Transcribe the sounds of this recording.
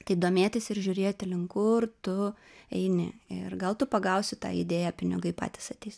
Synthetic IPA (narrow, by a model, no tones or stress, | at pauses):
t̪ɐɪd̪oːmʲeːt̪ʲɪsɪɾʒʲʊːɾʲeːt̪ʲɪlʲɪŋkʊːrt̪ʊ | ɛɪnʲɪ̰ɪrɡɐlˠt̪ʊpɐɡɐʊsʲɪt̪ɑ̰ːɪ̰d̪ʲeːjæpʲɪnʲɪɡɐɪpɑ̰ːt̪ʲɪ̥sɐt̪ʲɛɪsʲ